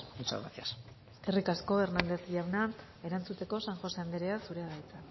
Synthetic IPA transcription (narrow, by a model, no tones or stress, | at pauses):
ut͡ʃa̰ɾat̪ias | e̞rikasko̞βe̞ɾnand̪e̞sʝawna | e̞ɾant͡sut̪e̞ko̞saŋxo̞se̞and̪eɾeasuɾeaðait͡sa